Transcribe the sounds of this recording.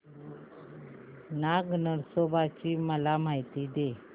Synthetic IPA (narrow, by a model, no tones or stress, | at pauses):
naɡnəɾsobʱat͡ɕiːməlamaɦjt̪id̪e